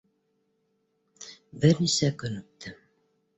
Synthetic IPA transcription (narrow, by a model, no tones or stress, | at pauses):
bɘɾnisækɵ̆nɵ̆p̚t̪ʰɘ